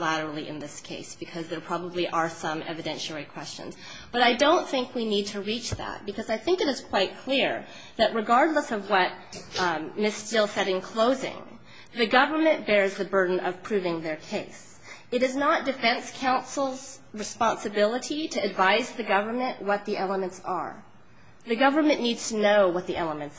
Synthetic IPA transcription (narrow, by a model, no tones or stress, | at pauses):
læɾə˞l̩ˠiʔɨ̰̃nðɪskʰeɪsb̥ɨkʰʌzðə˞pʰɹ̥ɑbəbliʔə˞sʌ̃mɛ̰vɨdɛ̃nʃɛɹikʰw̥ɛst͡ʃɨ̰̃nz | b̥ʌɾaɪdõʊ̃nθɪ̃ŋkwinid̚tʰɨɹit͡ʃðæ̰t̚b̥ɨkʰʌzaɪθɪ̃ŋkɨɾɨz̥kʰw̥aɪt̚kʰl̥ɪɹ | ðɨʔ̚ɹɨɡɑɹdˡləsʌvwʌt̚ | mɪstɪlˠsɛɾɪ̃ŋkʰl̥oʊzɪ̰̃ŋ | ðɨɡʌvə˞mɨ̃nb̥ɛɹzðɨbɜ˞dⁿn̩ʌ̰v̥pʰɹ̥ʉvɪ̃ŋðə˞kʰeɪs | ɨɾɨznət̚d̥ɨfɛ̃nskʰãʊ̃nsl̩ˠz̥ | ɹɨspɑ̃nsɨbɪlˠəɾiɾɨːdvaɪzðɨɡʌvə˞mɨ̃nʔwʌt̪̚ðiʔɛlˠəmɨ̃ntsə̰˞ | ðɨɡʌvə˞mɨ̃nːidz̥tʰɨnoʊwʌt̪̚ðiʔɛlˠəmɨ̃nts